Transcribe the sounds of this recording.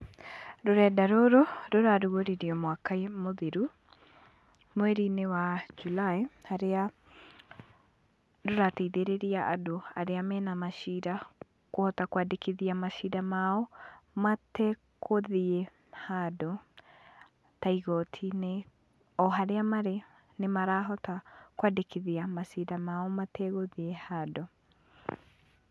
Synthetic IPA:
ɾoɾɛːdaɾoɾoɾoɾaɾuɣoɾiɾiɔmwakaimoðeɾu | mwɛɾinewad͡ʒulahaɾea | ɾoɾateiðeɾeɾiaʔadoaɾeamɛːnamaʃiɾa | kohɔtakwadekiðiamaʃiɾamaɔmatɛ | koðie | hado | taiɣɔtʰine | ɔɦaɾeamaɾe | nemaɾaɦɔtakwadekeðiamaʃidamaɔmatɛɣoðiehaːdo

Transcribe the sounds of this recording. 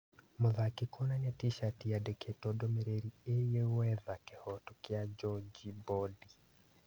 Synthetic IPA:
mʊðakɪkʰɔnanatiʃatiadɛkʰetɔdɔmeɾeɾiejewɛðakɛhɔtɔkɪad͡ʒɔd͡ʒibɔdi

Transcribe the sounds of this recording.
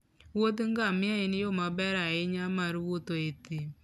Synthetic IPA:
wot̪ŋɡamɪaɪnɪjomabɛɾaɪɲamaɾwot̪oet̪i

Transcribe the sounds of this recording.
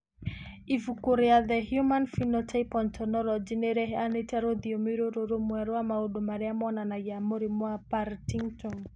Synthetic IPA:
ivukoɾeaðɛhjumanfinɔtʰapɔntʰɔnɔlɔd͡ʒineɾɛɦɛanetaɾoðiomiɾoɾoɾomwaɾwamaodomaɾɛamɔnanajamoɾimwapaɾtiŋtɔŋ

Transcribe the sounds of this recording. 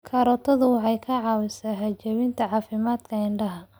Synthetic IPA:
kʰɐɾɔt̪ʰɔðʊwɑħɑjkʰɐʕɑːwɪsaːɦɐt͡ʃɛwɪnt̪ʰɐʕɑːfɪmaːd̪̥kʰɐɪɳɖɐɦɐ

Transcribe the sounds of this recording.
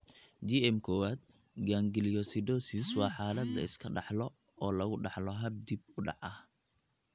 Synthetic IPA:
d͡ʒiɛmkʰɔːwaːd̪̚ | ɡaːŋɡɪlijɔsid̪ɔːsiswɑːħɑːlɐd̪ɐ̰ɪskʰɐɖɑħlɔ | ɔːlɐɣʊɖɑħlɔɦɐb̚d̪ib̚ʊɖɑ̰ʕʔɐh

